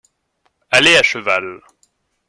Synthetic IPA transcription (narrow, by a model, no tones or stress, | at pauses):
aleaʃəval